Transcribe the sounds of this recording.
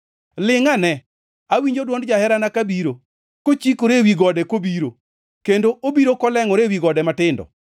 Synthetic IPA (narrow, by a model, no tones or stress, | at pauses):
lɪŋanɛ | awiɲd͡ʒodwɔndd͡ʒahɛɾanakabiɾo | kot͡ʃikoɾewiɡɔdɛkobiɾo | kendoʔobiɾokɔlɛŋɔɾewiɡɔdɛmatɪndɔ̰